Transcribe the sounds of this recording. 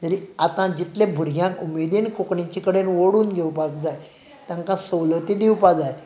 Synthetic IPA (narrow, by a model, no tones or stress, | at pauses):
t̪əɾiat̪ãd͡ʑit̪lebʱuɾɡʱjãkumed̪inkokɳĩt͡ɕikəɽenʋoɽuːnɡʱewpakd͡zaj | t̪ãŋkãsəwlət̪id̪ewpad͡zaj